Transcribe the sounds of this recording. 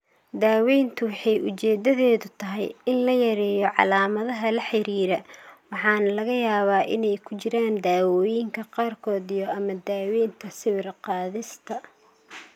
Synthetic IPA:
d̪aːwɛjnt̪ʰʊwħɑjʊt͡ʃɛːd̪ɐðɛːðʊt̪ʰɐɦɛ̰jɪnlɐjɐɾɛːjɔʕɑ̰laːmɐðɐɦɐlɐħɪɾiːɾɛwɑħɑːnɐlɐɣɐjaːβaːʔɪnɛjkʰʊt͡ʃɪɾaːnd̪aːwɔːjɪŋkʰɐqɑːrkʰɔːd̪ijɔɐmɐd̪aːwɛːnt̪ʰɐsɪβɪrqɑːðɪst̪ʰɐ

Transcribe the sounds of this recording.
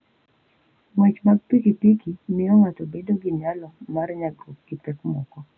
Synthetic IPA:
ŋwɛt͡ʃmaɡ̚pikipikinɪɔŋatobedoɡɪnɪalɔmaɾɲaɡɾup̚ɡ̥ɪpɛkmɔkɔ

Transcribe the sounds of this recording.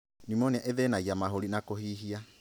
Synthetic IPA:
nimɔniaʔeðɛnaiamaɦoɾinakohiɦia

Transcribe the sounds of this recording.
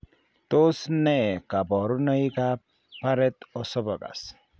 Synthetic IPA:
t̪osnekabɔɾunəjka | paɾɛt̪ɔsɔbɔɡa̰s

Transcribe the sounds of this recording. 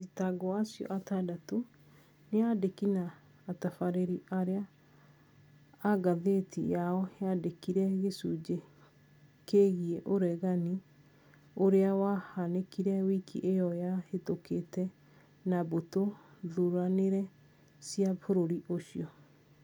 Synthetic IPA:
d͡ʒitaɡɔasijɔ̰ʔatadato | neadekinaː | tafaɾeɾiʔaɾea | ɡaðetʰḭjaɔheadekiɾɛɣesud͡ʑe | keɣieʔoɾɛɣani | oɾeawahanekiɾɛwikʰḭʔejɔjahetokʰetɛ | nabotoðuɾɾaneɾɛ | siafoɾoɾiʔoɕiɔ

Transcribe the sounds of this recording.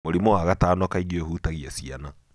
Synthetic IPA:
moɾimoaɣataːnɔkaiɣiohuːtaɣiɛsiana

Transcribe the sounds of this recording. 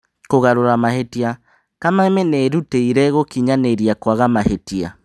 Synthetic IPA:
koɣaɾoɾamahetia | kamaemɛneɾuteiɾɛɣokiɲaneɾiakwaɣamaɦetia̰

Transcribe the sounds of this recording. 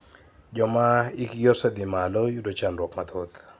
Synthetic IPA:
d͡ʒɔmaikɡɔsɛd̪imalɔjudɔt͡ʃandwɔkmat̪ʰot̪

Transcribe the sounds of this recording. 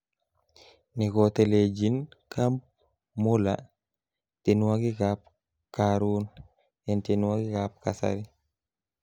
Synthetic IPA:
nikɔteled͡ʒinkamp̚ | mula̰ | tinwaɡikap̚ | kaɾuːn | jɛntenwaɡikap̚kasa̰ɾi

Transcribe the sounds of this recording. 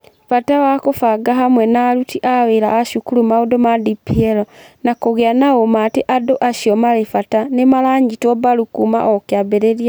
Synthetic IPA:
fatawakofaɡaɦamwɛnaɾutiʔaweɾaːʃukuɾumaodomadipieɾɔnakoɣjanaomateʔadoʔaʃjɔmalefatanemalaːɲɟitɔbaɾukuma̰ʔɔkjabeɾeɾja

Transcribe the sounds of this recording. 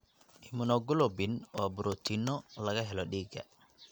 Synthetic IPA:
ʔɪmʊnɔɡʊlɔbɪnwaːbʊɾɔt̪ʰinɔlɐɣɐɦɛlɔɗiːɡɐ̰

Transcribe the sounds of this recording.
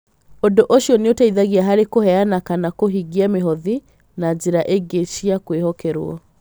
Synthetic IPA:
ondoʔoʃjɔneotaiðaɣiaɦaɾekohɛanakanakoɦiɡiameɦɔði | nad͡ʒeɾaʔeɡeʃiakwehɔkɛɾw̰ɔ̰

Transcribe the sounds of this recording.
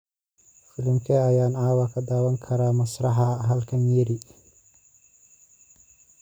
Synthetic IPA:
fɪlɪmkʰɐɐjaːnaːwɑkʰɐd̪aːwɐŋkʰɐɾaːmɐsrɑħɑɦɐlkʰɐnjɛɾi

